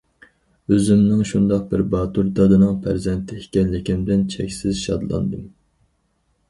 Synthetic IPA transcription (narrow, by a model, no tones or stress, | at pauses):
øzymnɪŋʃund̪ɑq̚bɪɾbɑt̪uɾd̪ɑd̪ɨnɨŋpʰæɾzɛnt̪ʰɪhikʲɛnlɪkʲimd̪ɪnt͡ʃʰɛkʲsɪzʃɑd̪lˠɑ̰nd̪ɨm